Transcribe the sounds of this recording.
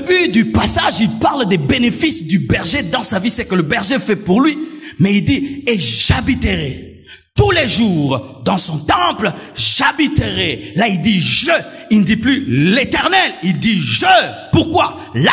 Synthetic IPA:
ebyd̪ypasaʒilpaʁld̪ebenefisd̪ybɛʁʒed̪ɑ̃savisɛkələbɛʁʒefɛpuʁlɥimɛild̪ieʒabit̪əʁɛ | t̪uleʒuʁd̪ɑ̃sɔ̃t̪ɑ̃plʒabit̪əʁɛlaild̪iʒə | ilnəd̪iplylet̪ɛʁnɛlild̪iʒəpuʁkwa | la

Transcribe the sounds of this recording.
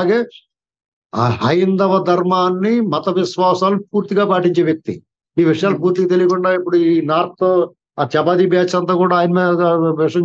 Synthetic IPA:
ɡeː | ɦɐjind̪ɐʋɐd̪ʱɐɾmaːnːimɐt̪ɐʋisʋaːsaːlup̚uːɾt̪iɡaːpaːʈiɲt͡ʃeːʋjɐk̚t̪ḭ | miːʋiʂɐjaːlup̬uːɾt̪iɡaːt̪elijkuɳɖaːipːuɽuiːnaːɾt̪t̪oː | aːt͡ʃɐbaːd̪ibjaːt͡ʃɐnt̪̬aːkuːɽaːjɐnɐmeːʋiʂɐjɐ

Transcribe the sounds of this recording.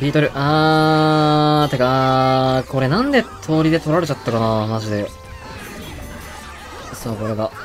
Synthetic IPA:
bʲiːt̪oɾʲɯ̟ʔa | t̪eka | ko̞ɾe̞nãnd̪e̞t̪ʰo̞ːɾʲid̪e̞t̪o̞ɾaɾe̞t͡ɕat̪ːakanaːmaʑid̪e̞ | soːko̞ɾe̞ɡa

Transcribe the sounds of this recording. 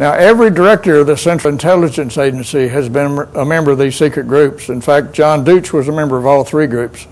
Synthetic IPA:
naʊʔɛvɹidə˞ɛk̚tə˞ʌvðɨsɛ̃nt͡ʃˠɨ̃ntʰɛlˠɨd͡ʒɨ̃nseɪd͡ʒɨ̃nsiɨzbɨ̃nəmɛ̃mbə˞ʌvðiz̥sikɹɨt̚ɡ̥ɹʉpsɨ̃nfæk̚t̚d̥ʒ̥ɑ̃ndʉt͡ʃwʌzəmɛ̃mbə˞ʌvɔlˠθɹiɡɹʉps

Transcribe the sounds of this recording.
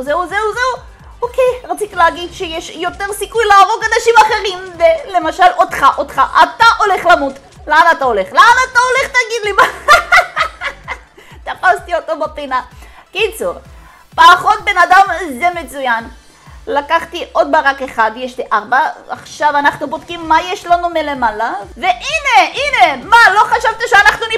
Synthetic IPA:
zeuzeuzeu | okejʁat͡sit̪ileaɡid̪ʃejeʃjo̞t̪eʁsikujlaːʁo̞ɡanaʃimaχe̞ʁimvele̞maʃalo̞d̪χaʔot̪χaʔataʔo̞le̞χlamut | leanatao̞le̞χleanatao̞le̞χt̪aɡid̪lima | t̪afast̪io̞tobapina | kit͡suʁ | paːχotbe̞nadamzemet͡sujan | lakaχtiʔo̞d̪baʁakeχad̪jeʃliʔaʁbaːχʃavanaχnubod̪kimːajeʃlanumelemalave̞ʔine̞ʔine̞malo̞χaʃavt̪aʃeanaχnuni

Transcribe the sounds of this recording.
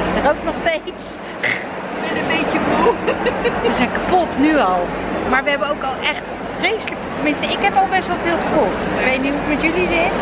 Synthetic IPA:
ɪsdərowknɔχstejts | bɛnəmbejtəbo | əzɛjnkapɔtnyɑlˠmaːɹʋəɦɛbənowkɑlˠʔɛχt | frejsələktəmɪnstəɪkɦɛpɑlˠbɛstʋɛlˠvɪːlˠχəkɔχtɪkʋejt̚nituətmɛtjølizɪt

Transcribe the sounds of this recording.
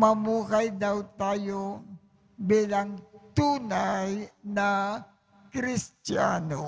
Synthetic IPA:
mɐmuːhajd̪awt̪aːjo | biːlaŋt̪uːnajnɐ | kɾɪst̪ja̰ːno

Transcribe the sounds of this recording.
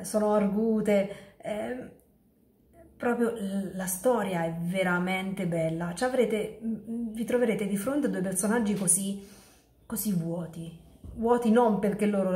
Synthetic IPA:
soːnoarɡuːt̪eɛ | pɾɔːpɾjolast̪ɔːɾjaɛvːeɾament̪ebɛlːat͡ʃavɾeːt̪e | vit̪ɾoveɾeːt̪ed̪ifɾont̪ead̪uejpersonad͡ʒːikozi | kozivwɔːt̪ivwɔːt̪inomperk̟elːoːɾo

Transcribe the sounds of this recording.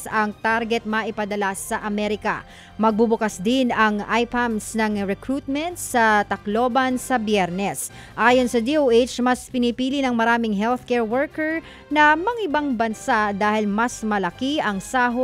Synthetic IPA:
ɐŋt̪aɾɡɛt̪̚mɐʔɪpɐd̪ɐlasɐʔɐmɛɾɪka̰ | mɐɡ̚bubʊkasd̪ɪnɐŋʔajpamsnɐŋɹɛkɹuːt̪̚mɛnt̪̚sɐt̪ɐklo̞ːbɐnsɐbjɛɾnɛs | ʔaːjonsɐd̪iowʔet͡ʃmɐspɪnipiːlɪnɐŋmɐɾaːmɪŋɦɛlθkɛɹwɛɹkɛɹ | nɐmɐŋʔɪbaŋbɐnsad̪aːhɪlmɐsmɐlɐkiɐŋsaːɦo

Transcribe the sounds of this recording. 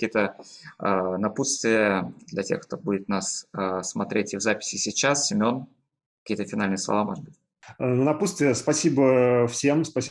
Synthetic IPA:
kkʲijət̪əənɐput̪st̪vʲɪjəd̪lʲɐtʲe̞̰xkt̪o̞budʲɪt̪nasəsmɐt̪ɾʲetʲɪvzapʲɪ̥sʲɪsʲɪt͡ɕasːʲɪmʲo̞n | kɐ̥kʲijət̪əfʲɪnalʲnɨjəslˠɐ̰vamo̞̰ʐəd̪̚bɨtʲ | nnɐput̪st̪vʲɪjəspɐsʲibəfsʲemspɐsʲ

